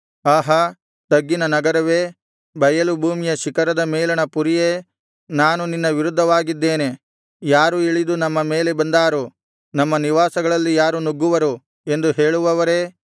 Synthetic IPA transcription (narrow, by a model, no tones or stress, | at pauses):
aːɦɐ | t̪ɐɡːinɐnɐɡɐɾɐʋeː | bʱɐjɐlubʱuːmijɐʃikɐɾɐd̪ɐmeːlɐnɐpuɾijeː | naːnuninːɐʋiɾud̪ʱːɐʋaːɡid̪ːe̞ːne̞ | jaːɾuiɭid̪unɐmːɐme̞ːle̞bɐnd̪aːɾu | nɐmːɐniʋaːsɐɡɐɭɐlːijaːɾunuɡːuʋɐɾu | e̞nd̪uɦe̞ːɭuʋɐʋɐɾeː